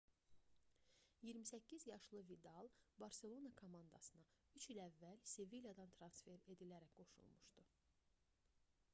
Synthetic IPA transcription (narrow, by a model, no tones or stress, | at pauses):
jiɾmisæcʰːizjɑʃlˠɯvid̪ɑlˠbɑɾse̞lˠo̞nɑkʰomɑnd̪ɑ̰sɯnɑyt͡ʃilævːælsevilʲjɑd̪ɑnt̪ʰɾɑnsfe̞ɾe̞d̪ilæɾækɡ̥o̞ʃṵlˠmuʃd̪u